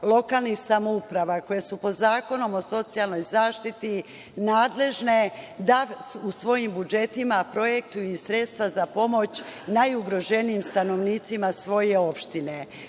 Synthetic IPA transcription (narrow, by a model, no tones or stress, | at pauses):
lˠo̞kalˠnixsamoupɾaʋako̞jesupo̞d̪zaːko̞no̞mo̞so̞t̪sijalˠno̞jzaːʃt̪it̪i | naːd̪le̞ʒne̞d̪ausʋo̞jimbud͡ʒe̞t̪imapɾo̞jek̚t̪ujuisɾe̞t̪st̪ʋazapo̞mo̞t͡ɕnajuɡɾo̞ʒe̞nijimst̪ano̞ʋniːt̪simasʋo̞jeopʃt̪ine̞